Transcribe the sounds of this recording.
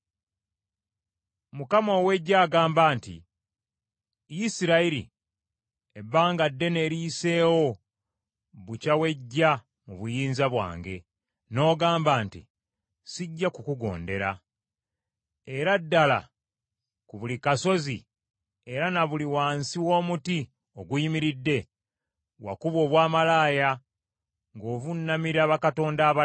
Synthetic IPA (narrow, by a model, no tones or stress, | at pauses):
mukamo̞ːwe̞ɟːaːɡaːmbaːntḭ | jisiɾaiɾḭ | ebːaːŋɡadːe̞ne̞ɾiːse̞ːwo̞ | βucawe̞ɟːa | muβujiːnzaβwa̰ːŋɡe̞̰ | no̞ːɡaːmbaːntḭ | siɟːakukuɡo̞̰ːnde̞ɾa | e̞ɾadːala̰ | kuβulikaso̞zi | e̞ɾanaβuliwaːnsiwo̞ːmuti | o̞ɡujimiɾidːe̞ | wa̰kuβwo̞ːβwaːmalaːja | ŋɡo̞ːβunːamiɾaβakato̞ːndaːβa